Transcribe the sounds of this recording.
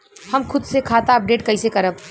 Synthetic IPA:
hɐmkʰʊd̪sekʰaːt̪aɐp̚ɖeːʈkɐisekɐɾəb

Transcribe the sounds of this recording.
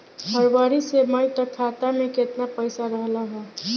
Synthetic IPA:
bʱəɾbaːɾiseməjt̪əkʰːaːt̪amẽkɪt̪napəɪsaɾəɦlaɦɛː

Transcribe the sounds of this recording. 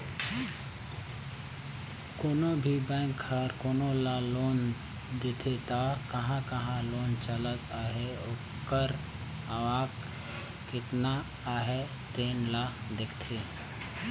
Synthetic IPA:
koːnobʱibãŋkʰːaɾkoːnolaloːn | d̪et̪ʰet̪akəɦãkəɦãloːnt͡ʃələt̪ʰaːɦeo | kəɾ | əʋaːk | kɪt̪na | aːɦe | t̪eːnlad̪ekʰt̪ʰe

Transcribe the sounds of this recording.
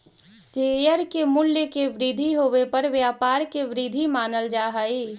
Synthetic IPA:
seːjəɾkemʊljəkeʋɾid̪ʱiɦoːʋepɐɾʋjaːpaːɾkeʋɪɾid̪ʱimaːnəld͡ʒaːɦaiː

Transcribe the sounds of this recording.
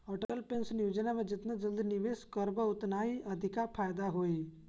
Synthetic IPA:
ɔːʈəəlpẽnsnjud͡ʒənamẽd͡ʒɪt̪nad͡ʒəld̪inɪʋeːskəɾbəʊt̪naːiɐd̪ʱɪkapʰaːjd̪aɦoːi

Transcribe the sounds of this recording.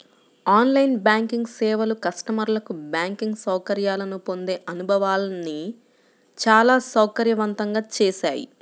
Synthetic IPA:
aːnlɐjnbjaːŋkiŋɡsɛːʋɐlukɐʂʈɐmɐɾlɐkubjaːŋkiŋɡsɐwkɐɾjaːlɐnupo̞nd̪eːʔɐnubʱɐʋaːlɐni | t͡ʃaːlaːsɐwkɐɾjɐʋɐnt̪ɐŋɡaːt͡ʃɛːʃaːjḭ

